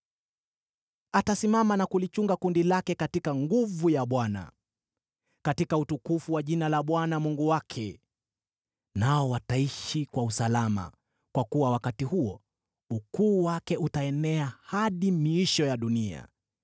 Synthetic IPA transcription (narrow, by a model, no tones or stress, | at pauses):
atasimamanakulit͡ʃuŋɡakundilakɛkatikaŋɡuvujaɓwana̰ | katikautukufuwaʄinalaɓwanamuŋɡuwakʰɛ | naɔwataiʃikwausalama̰ | kwakuwawakatihuɔ | ukuːwakɛutaɛnɛahaɗimiiʃɔjaɗunia̰